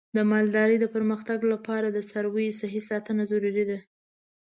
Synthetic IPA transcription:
d̪əmɑld̪ɑɾəjd̪əpəɾməxt̪aɡlapɑɾad̪əsaɾwəjsaɦisɑt̪ənazaɾuɾid̪a

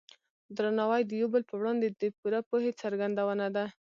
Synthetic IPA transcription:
d̪ɾɑnawajd̪əjobəlpəwɽɑnd̪ed̪əpuɾapohet͡saɾɡand̪awənad̪a

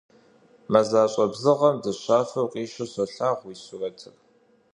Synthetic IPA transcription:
mɐzaːɕʼɐbzɨʁɐmdɨɕʷaːfɐwqʼiːʃɐɕɐɬaːʁʷwiːɕʊrɐtʰɨpʼ

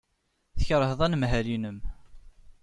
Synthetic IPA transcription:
θəçɾˤəhðˤænmɦælinəm

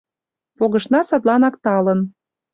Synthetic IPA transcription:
poɣɤ̆ʃnɑsɑt̪lɑnɑkt̪ɑlə̆n

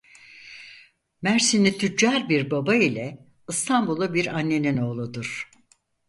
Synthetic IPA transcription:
mæɾsinit̪ʰyd͡ʒaɾbiɾbabailʲɛ | ɯst̪ʰambulˠabiɾanːe̞nino̞ːlˠud̪uɾ̥

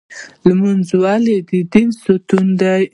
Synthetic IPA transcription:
lmanzwaled̪id̪insot̪und̪aj

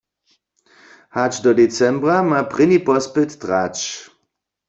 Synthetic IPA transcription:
hat͡ʃdɔdet͡sɛmbʁamapʁɪnipɔspɪt̪ːʁat͡ʃ

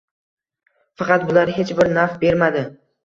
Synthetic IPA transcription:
fɑqɑt̪̚bʊlaɾɦe̞t͡ʃbɪɾnafbe̞ɾmad̪ɪ

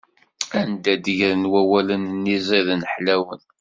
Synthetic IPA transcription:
ænd̪æd̪əʝɾənwæwælənnːizˤiðənəħlæwən

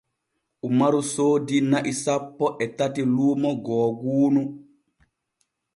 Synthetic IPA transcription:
ʔumaɾusoːdinaʔisapːɔʔɛtatiluːmɔɡɔːɡuːnu

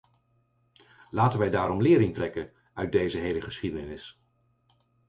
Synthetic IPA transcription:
laːtənʋɛjdaːɾɔmlɪːɾɪŋtrɛkən | œɥt̚dejzəɦejləχəsχidənɪs

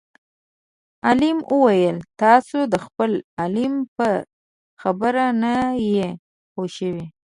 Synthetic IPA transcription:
alimʔəwajəlt̪ɑsod̪əxpəlalimpə | xabəɾanaje | xoʃəwi

